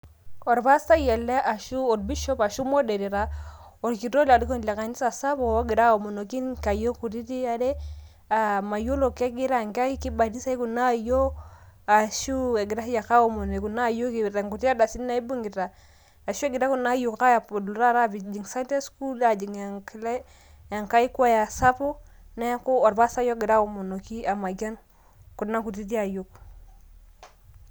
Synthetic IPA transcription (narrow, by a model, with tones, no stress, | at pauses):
o˨ɾβa˦sa˦jɛ˨lɛ˦ʔa˨ʃu˦ɔ˨dbi˦ʃɔ˦pa˨ʃu˦mo˦de˨ɾi˨ɾa˦o˨ɾki˨ɾo˦la˨di˦ko˦nle˨ka˨ni˦sa˨sa˦βo˨˦ɡi˨ɾa˦o˨mo˨no˨ki˦nka˨jo˦ku˨ɾi˦ti˦a˦de˦ | a˨ma˨jo˦lo˨ke˦ɡi˦ɾa˦˨ŋka˦ki˦ki˦ba˨di˦sa˦i˦ku˨na˦jo˦a˨ʃu˦e˨ɡi˨ɾa˦i˦ja˨ka˦o˦mo˨ne˨ku˨na˦jo˦ki˨ɾe˨ŋɡu˨ti˦a˦da˨si˦n˦na˦i˦bu˦ŋɡi˨ɾa˨ | a˨ʃu˦e˦ɡi˨ɾa˦ku˦na˦ju˨kka˦ja˨po˨dlu˨ɾa˦˨ɾa˦bi˨d͡ʒi˨ŋsa˦nte˦sku˦la˨d͡ʒi˨ŋa˨ŋkl | ja˨ŋka˦i˦ku˦a˦ja˨sa˦po˦ | na˦ja˦ko˦ɔ˨ɾba˦sa˦jɔ˦ɡi˨ɾa˦o˨mo˨no˨ki˦a˨ma˨ɡa˦n | ku˨na˦ku˨ti˦ti˦a˨jo˦k